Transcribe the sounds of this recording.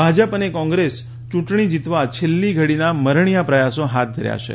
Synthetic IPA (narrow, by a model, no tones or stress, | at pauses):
bʱad͡ʒəpənekɔ̃ŋɡɾes | t͡ʃũʈɳ̃id͡ʒit̪ʋat͡ʃʰelːiɡʱəɽinaməɾɳijapɾəjasõɦat̪̚d̪ʱəɾja̰ʃḛ